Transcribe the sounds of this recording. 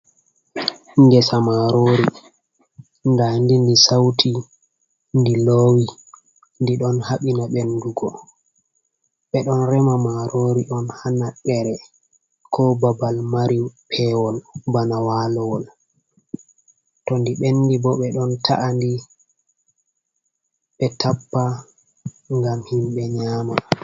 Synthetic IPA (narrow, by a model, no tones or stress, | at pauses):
ŋɡɛsamaɾoːɾi | ndandindisawtʰi | ndiloːwi | ndiɗɔnhaɓinaɓenduɡɔ | ɓɛɗɔnɾɛmamaɾoɾiʔɔnhanaɓɛɾɛ | kʰɔbabalmaɾipʰɛwɔlbanawaːlɔwɔl | tɔndiɓenːdibɔɓɛɗɔntʰa̰ʔandi | ɓɛtapːa | ŋɡamhimɓɛɲaːma